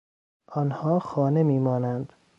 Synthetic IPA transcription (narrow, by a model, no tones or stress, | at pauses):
ʔɒnhɒːxɒːne̞miːmɒːnænd̪̥